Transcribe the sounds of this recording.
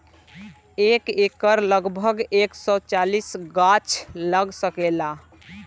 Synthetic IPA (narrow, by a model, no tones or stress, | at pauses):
ekekəɾləɡbʱəɡeksɔt͡ʃalisɡat͡ʃʰləɡsəkela